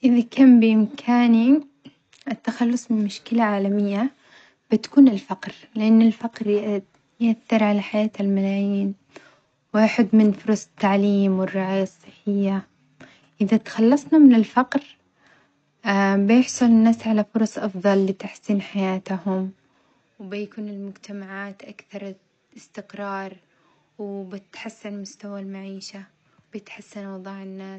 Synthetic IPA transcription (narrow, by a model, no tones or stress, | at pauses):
ʔɪðakʰaːmbɪʔɪmkʰaːni | ʔɪt̪ːaxalːʊsˤmɪnmʊʃkɪlaʕaːlamɪjːa | b̥ɪt̪ḁkuːnɪlfaqɾ | lɪʔanːɪlfaqɾjɪʔd̪ | jʔaθːɪɾʕalaħajaːt̪ɪlmalaːjiːn | wɪʔaħɪd̪mɪnfʊɾˤɑsˤt̪ːaʕliːmwɪrːɑʕaːjɑsˤːɨħːɪjːa | ʔɪðat̪xɑlːɑsˤnamɪnɪlfɑqɾ | bjɪħsˤʊlɪnːaːsʕalafʊɾˤɑsˤʔɑfðˤɑlːɪt̪aħsiːnħajaːt̪ahʊm | wbɪjakuːnɪlmʊd͡ʒt̪ʰamaʕaːt̪ʔakθɑɾˤ | ɪst̪ɪqɾˤɑːɾˤ | wbɪt̪ħasːɪnmʊst̪awalmaʕiːʃa | wbjɪt̪ħasːanwɑðˤɑːʕɪnːaːs